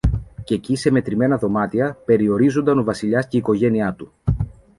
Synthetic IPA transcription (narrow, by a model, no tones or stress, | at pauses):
ce̞cise̞me̞t̪ɾime̞nɐðo̞mɐt̪iɐpe̞ɾio̞ɾizo̞nd̪ɐno̞vɐsiʎɐsceiko̞ʝe̞niɐt̪u